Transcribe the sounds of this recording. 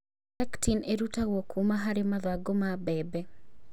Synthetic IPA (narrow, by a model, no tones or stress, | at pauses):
tɛktineɾutawokʰumaɦaɾɪmaðwaɡomabɛbɛ